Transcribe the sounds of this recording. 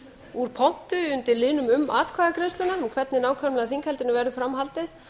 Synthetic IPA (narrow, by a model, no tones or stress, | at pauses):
uɾ̥pʰɔn̥t̪ʏʏnt̪ɪlɪːnʏmʏmːa̰ːt̪kʰvaːɣakɾejst̪ʏnːaɾmkʰvɛt̪nɪnaːwkʰœmlaas̬iŋkʰhɛlt̪ɪnʏvɛɾðʏfɾamhalt̪ɪ